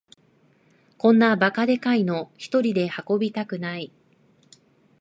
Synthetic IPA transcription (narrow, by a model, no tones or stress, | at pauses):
kõ̞nːabakad̪e̞kaino̞çi̥t̪o̞ɾʲid̪e̞hako̞bʲit̪akɯ̟nai